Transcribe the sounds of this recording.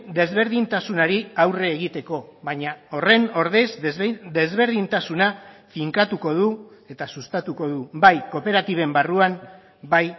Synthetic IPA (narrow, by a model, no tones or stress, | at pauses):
d̪e̞zβe̞ɾðint̪asunaɾiawre̞ːɣ̞it̪e̞ko̞βaɲao̞re̞no̞ɾðezd̪e̞zβe̞ɾð̞int̪asunafiŋkat̪uko̞ðue̞t̪asust̪at̪uko̞ðubajko̞pe̞ɾat̪iβe̞mbaruam | baj